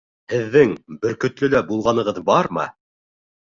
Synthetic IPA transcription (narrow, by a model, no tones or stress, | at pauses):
hɘ̆ðːɘŋbɘ̆ɾkɵ̆t̪lɵ̆læbulˠʁɑnɤ̆ʁɤðbɑɾmɤ̰